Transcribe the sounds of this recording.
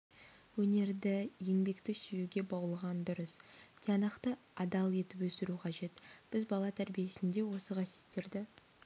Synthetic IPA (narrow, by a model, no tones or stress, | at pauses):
wɵne̞ɾd̪ɪje̞ŋbe̞kt̪ɪsʏjuɡʲe̞bɑwəlˠʁɑnd̪ʊɾəsd̪̥ʰʲeɑnɑqt̪ə | ɑd̪ɑlˠe̞t̪ɪpwɵsɪɾuqʰɑʒe̞t̪b̥ɪzbɑlˠɑt̪ʰæɾbije̞sɪnd̪e̞wo̞səqʰɑsjet̪ːe̞ɾd̪ɪ